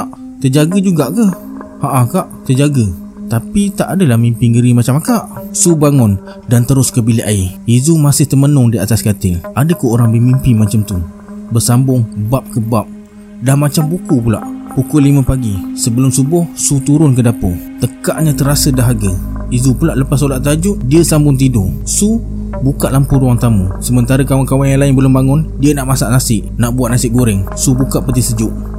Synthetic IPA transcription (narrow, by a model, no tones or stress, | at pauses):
ʔ | t̪əd͡ʒaɡəd͡ʒuɡaʔkəhhaʔakaʔt̪ərd͡ʒaɡə | t̪apit̪aʔadəlahmimpɪŋɡəɾimat͡ʃamakaʔsubaŋʊn | dant̪əɾʊskəbiliʔaiizumasɪht̪əmənʊŋdiat̪askat̪ɪŋʔadəkoʔoɾaŋbəmimpɪmat͡ʃamt̪u | bərsambʊŋbap̚kəbap̚ | damat͡ʃambukupula̰ʔpukʊlimə̃paɡisəbəlʊmsubʊhsut̪uɾʊnkədapot̪əkaʔɲãt̪əɾasədaɦaɡəizupulaʔləpas̬olaʔt̪ad͡ʒʊʔdiəsambʊŋt̪̬idʊsu | bukaʔlampʊɾuaŋt̪amusəmənt̪aɾəkawankawanjaŋlaɪnbəlʊmbaŋʊndiənaʔmasaʔnasɪʔnaʔbuat̪ʔ̪̚nasɪk̚ɡoɾɪŋsubukaʔpət̪̬ɪsəd͡ʒʊʔ